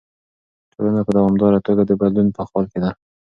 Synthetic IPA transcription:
t̪ʰolanapəd̪awɑmd̪ɑɾat̪oɡad̪əbad̪lunpəxɑlked̪a

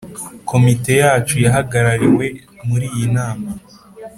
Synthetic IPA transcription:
kʰo̞mite̞jaːt͡ʃujaɦaɡaɾaɾiwe̞ | muɾiːjinaːma

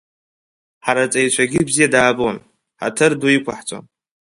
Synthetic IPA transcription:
ħaɾat͡sʼajt͡ʃʷʰaɡʲɪbzijadaːbɨwan | ħa̰tʰɨrdujikʷʰaħt͡sʷʼa̰n

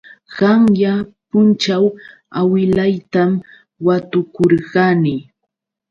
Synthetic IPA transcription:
ɢɑŋjapʊnt͡ʃaw | awɪlajt̪am | wat̪ʊkoɾɢɑnɪ

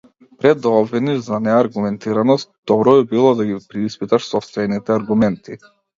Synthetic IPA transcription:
pɾɛd̪ːaɔbviniʒzanɛaɾɡumɛnt̪iɾanɔst̪̚d̪̥ɔbɾɔbibilˠɔd̪aɡipɾiispit̪aʃsɔpst̪vɛnit̪ɛaɾɡumɛnt̪i

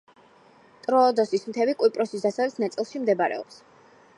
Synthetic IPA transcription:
t̪ʼɾɔːd̪ɔsismt̪ʰɛbikʼwipʼɾɔsisd̪asavlɛtsʰnat̪sʼilˠʃimd̪ɛbaɾɛ̰ɔ̰ps

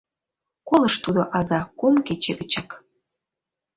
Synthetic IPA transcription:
koləʃt̪ud̪oʔɑzɑkomket͡ɕeɣət͡ɕɑk

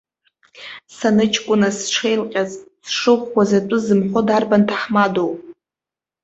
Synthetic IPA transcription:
sanɨt͡ʃʰkʷʼʊnasʈ͡ʂʰejlqʲʼazsʂɨχʷkʷazatʷʼʊzɨmħʷodarbantʰaħmadowpʼ

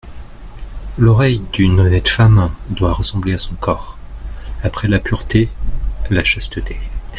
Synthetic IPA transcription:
lɔʁɛjd̪ynɔnɛt̪famd̪waʁəsɑ̃bleasɔ̃kɔːʁ | apχɛlapyʁt̪elaʃast̪ət̪e

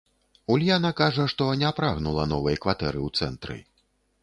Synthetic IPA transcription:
ulʲjanɐkaʐɐʂt̪ɔnʲɛpɾaɣnulˠɐnɔvɐjɐkvat̪ɛɾɨwt̪sɛnt̪ɾɨ̰

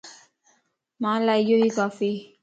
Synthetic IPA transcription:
mãːlaijoɦikaːfi

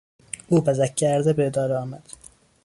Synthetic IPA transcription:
uːbæzækʰːæɾd̪ebeed̪ɒːɾeɒːmæd̪̥

